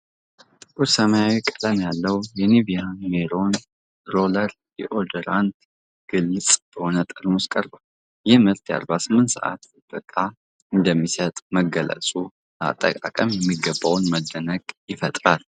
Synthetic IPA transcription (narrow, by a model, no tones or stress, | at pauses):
t̪ʼɨkʼuɾsəmajawikʼələmjalːəwjɛniβijameɾo̞n | ɾoləɾ | jɛʔod̪oɾant̪ | ɡ̥ɨlːɨt͡sʼb̥əhonət̪ʼɨɾmoskʼəɾbawl | jɛhmɨɾt̪ʰja̰ɾbasɨmːɨnt̪sə̰ʔa̰t̪ | b̥əkʼːa | ɨnd̪əmːisət̪ʼməɡələ̰sʼu | a̰t̪ʼːə̰kʼa̰kʼəmjɛmːiɡəbːawnməd̪ːənəɡʼjɪfət̪ʼɾal